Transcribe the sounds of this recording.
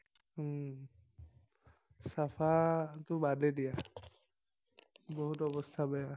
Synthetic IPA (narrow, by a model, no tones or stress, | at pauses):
sapʰat̪ʊbadedija | boɦutɔbɔst̪ʰabɛja